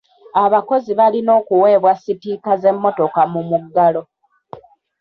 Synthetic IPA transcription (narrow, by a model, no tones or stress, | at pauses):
aβako̞ziβalino̞ːkuwe̞ːβwasitiːkaze̞mːo̞to̞kamumuɡːalo̞